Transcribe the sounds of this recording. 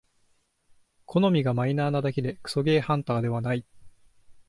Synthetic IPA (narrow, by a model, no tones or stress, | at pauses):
kʰo̞no̞mʲiɡamainaːnad̪aked̪e̞kɯ̥so̞ɡe̞ːhãnt̪aːd̪e̞βanai